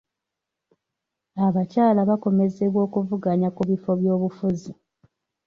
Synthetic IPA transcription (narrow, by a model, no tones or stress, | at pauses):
aβacaːlaβako̞me̞ze̞βwo̞ːkuvuɡaɲakuβifo̞βjo̞ːβufuzi